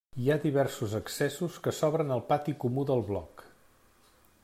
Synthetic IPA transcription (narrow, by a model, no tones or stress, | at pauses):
iaðiβ̞ɛrsuzəksɛsuskəsɔβɾənəlˠpat̪ikumuðəlˠβlɔ̰k